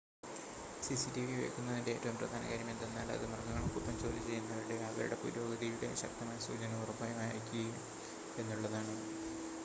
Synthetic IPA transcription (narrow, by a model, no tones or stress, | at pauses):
sisitiʋiʋḛːkːunːɐðindeeːtːɐʋumprɐ̰d̪ʱaːnɐ̰ɣɐɾjɐmend̪enːaːlɐ̰ðɨmɐrɡɐŋːɐɭkːupːɐmt͡ɕo̞ːlit͡ɕe̞jːunːɐðɐɾiɽekaːɡɐ̰jṵɽe̞puɾo̞ːɡɐðijuɽe̞̰ɕɐ̰k̚t̪ɐmaːjɐsṵːd͡ʑɐnɐmurɐbɐjɐmaːjikʲːi | e̞nːuɭːɐðaːɳɨ